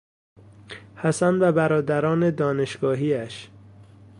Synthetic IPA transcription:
hæsænvæbæɾɒːd̪æɾɒːne̞d̪ɒːne̞ʃɡ̥ɒːɦiːæʃ

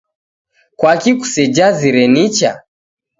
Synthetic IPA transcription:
kwakiku̥sɛd͡ʒaziɾɛnit͡ʃa

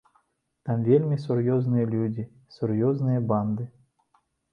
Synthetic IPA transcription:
t̪amvʲelʲmʲisʊrjɔznɨjɐlʲudʲi | sʊrjɔznɨjɐband̪ɨ

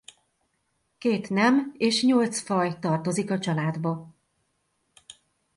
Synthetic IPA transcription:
keːt̪nɛmeːʃɲo̞lt̪sfɒjt̪ɒrt̪o̞zikɒt͡ʃɒlaːd̪bɒ

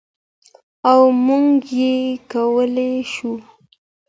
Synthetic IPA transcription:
awmuŋɡjekawəleʃu

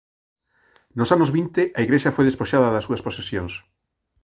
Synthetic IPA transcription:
nosanozβint̪eʔaiɣɾeʃafojðespoʃaðɐðɐsːuɐsposesjoŋs

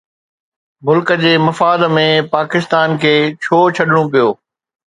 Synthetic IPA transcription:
mʊlkə̆d͡ʑeːmɐfaːd̪mẽpaːkɪst̪aːnkʰeːt͡ɕʰoːt͡ɕʰɐɗɪɽ̃õpijoː

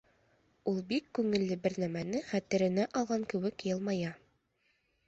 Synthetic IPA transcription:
ulˠbikːʉŋɘ̆lːɘbɘ̆ɾnæmænɘχæt̪ɘ̆ɾɘ̆næʔɑlˠʁɑŋkɘ̆wɘkjɤlˠmɑjɑ

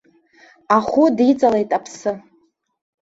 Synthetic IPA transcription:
aχʷʊdit͡sʼale̞jtʼapʰsɨ

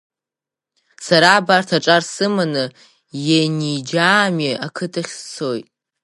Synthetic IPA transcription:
saɾaːbartʰaʈ͡ʂʼarsɨmanɨ | janid͡ʒaːmiakʰɨtʰaχʲt͡sʰo̞jtʼ

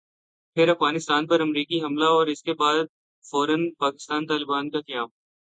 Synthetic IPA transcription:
pʰɪɾɐfɣaːnɪst̪aːnpɐɾɐmɾiːkiɦɐmlaɔːɾɪskebaːd̪̚ | fɔːɾənpaːkɪst̪aːnt̪aːlɪbaːnkakɐjaːm

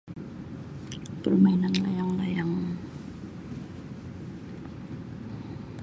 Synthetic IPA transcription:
pərmajnanla̰jaŋlajaŋ

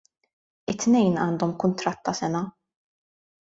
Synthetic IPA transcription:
ɪt̪ːnɛjnɐ̰ːnd̪ɔmkʊnt̪ɾɐt̪ːɐsɛnɐ

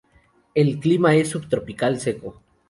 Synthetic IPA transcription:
elklimae̞sːubt̪ɾo̞pikalseko

